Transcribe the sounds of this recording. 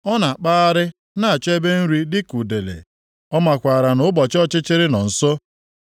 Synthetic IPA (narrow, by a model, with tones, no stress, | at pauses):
ɔ˦na˨a˨k͡pa˦a˦ɾɪ˦ | na˦˨a˨t͡ʃe˦be˦n̩˦ɾi˦dɪ˦ku˨de˨lḛ˨ | ɔ˦ma˨kʷa˨ɾa˨nʊ˨˦bɔ˨t͡ʃɔ˦t͡ʃɪ˦t͡ʃɪ˦ɾɪ˦nɔ˨n̩˨sɔ˦